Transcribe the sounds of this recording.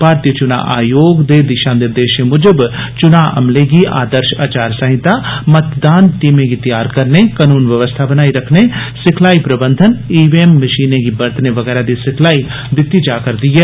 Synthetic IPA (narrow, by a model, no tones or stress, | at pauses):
paːɾt̪jət͡ʃʊna̰ʔaːjoːɡd̪eːd̪ɪʃãːnɪɾd̪eːʃemʊd͡ʒəb | t͡ʃʊnaːʔɐ̰mleɡiʔa̰ːd̪əɾʃa̰ːt͡ʃaːɾsəɦɪ̃t̪amət̪d̪aːnʈiːmẽɡit̪ɪjaːɾkəɾnekaːnuːnʋəʋəst̪ʰabənaːiɾɐkʰnesɪkʰlaːipɾəbə̃nd̪ʱəniːbiemːəʃiːneɡibɐɾt̪neʋəɡɛːɾad̪isɪkʰlaːi | d̪ɪt̪ːid͡ʒaːkəɾd̪iɦɛː